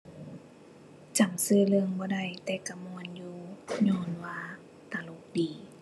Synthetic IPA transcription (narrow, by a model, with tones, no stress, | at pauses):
t͡ɕa˨˩msɯː˧˩lɯ˧əŋbɔː˧˦da˧˩˨jt̪ɛː˧˦ka˧˩mu˧˨ə˨njuː˧ɲɔː˧˩˨nwaː˧ | t̪aː˨˧˩lo˧˦k̚diː˨˦